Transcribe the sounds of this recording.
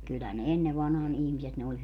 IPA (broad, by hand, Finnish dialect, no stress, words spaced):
kylːæ ne enːe ʋɑnhɑːn ihmiset ne olʲ